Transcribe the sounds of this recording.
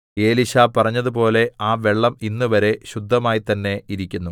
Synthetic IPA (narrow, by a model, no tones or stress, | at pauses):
e̞ːliɕaːpɐrɐɲːɐðupo̞ːle̞aːʋe̞ɭːɐminːuʋɐɾe̞ɕud̪ʱːɐmaːjit̪ɐnːe̞iɾikʲːunːu